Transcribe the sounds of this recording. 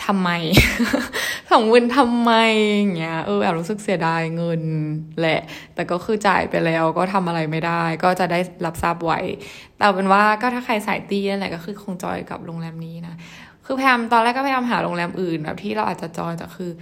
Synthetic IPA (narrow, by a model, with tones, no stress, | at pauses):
t̪ʰa˧mːa˧j | sa˨˩˦ŋwu˧nt̪ʰa˧mːa˧ja˨˩ŋːi˦˥ɐʔɤː˧baː˨˩ɾuː˦˥sɯ˨˩k̚si˨˩˦daː˧jŋɤ˧nlɛ˨˩ʔt̪ɛː˨˩kɔː˥˩kʰɯː˧t͡ɕa̰ː˨˩jpa˧jlɛː˦˥wkɔː˥˩t̪ʰa˧mʔa˧ɾa˧jma˥˩jdaː˥˩jkɔː˥˩t͡ɕa˨˩daː˥˩jla˦˥p̚sa˦˥˩p̚wa̰˨˦j | t̪ɛː˨˩pe˧nwaː˥˩kɔː˥˩t̪ʰaː˥˩kʰa˧jsaː˨˩˦jt̪iː˧a˧nlɛ˨˩kɔː˥˩xɯː˧kʰo˧ŋt͡ɕɔ̰ː˧jka̰˨˩p̚loː˧ŋlɛː˧mniː˦˥na˦˥ | kʰɯː˧pʰa˧jaː˧mt̪ɔː˧nlɛː˥˩kːɔ˥pʰjaː˧mɦaː˩˦lo˧ŋlɛː˧mʔɯː˨˩nbɛ̰ː˨˩p̚t̪ʰiː˥˩ɾa˧wʔaː˨˩t͡ɕa˨˩t͡ɕɔ̰ː˧jt̪ɛ̰˨˩kʰɯː˧